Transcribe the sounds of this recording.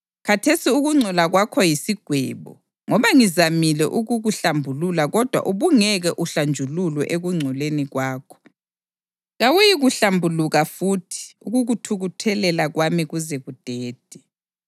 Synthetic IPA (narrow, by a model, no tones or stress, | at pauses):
kʰatʰesiuɣuŋ͡ǀʱɔlaɣwakʰɔjisiɡ̥ʱwɛːβɔ̰ | ŋɔβaŋizamilɛ̰ʔuɣuɣuɬambʱululaɣɔd̥ʱwa̰ʔuβuŋɛɣɛʔuɬand͡ʒʱululwɛ̰ʔeɣuŋ͡ǀʱɔleniɣwaːkʰɔ̥ | ɣawujiɣuɬambʱuluɣafuːtʰi̥uɣuɣutʰuɣutʰɛlɛlaɣwamiɣuzɛɣud̥ʱɛːd̥ʱɛ